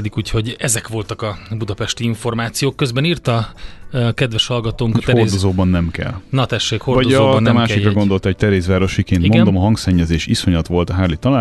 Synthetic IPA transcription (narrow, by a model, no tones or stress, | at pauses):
d̪ikuːcho̞ɟɛzɛkʋo̞lt̪ɒkɒbud̪ɒpɛʃt̪iiɱfo̞rmaːt̪sijoːkːø̞zbɛniːrt̪ɒ | kɛd̪ʋɛʃhɒlɡɒt̪oːŋk̪ɛrzdozoːbɒnːɛmkɛ̰lnɒt̪ɛʃːeːkho̞rvɒdooːbnːɛmaːʃʃikkrɒɡond̪o̞lt̪ɛoc̚t̪ɛɾeːzʋaːɾo̞ʃikeːnt̪imond̪o̞mɒɦɒŋksɛɲːɛzeːʃiso̞ɲɒt̪ʋo̞lt̪ɒɦaːrlit̪ɒlaː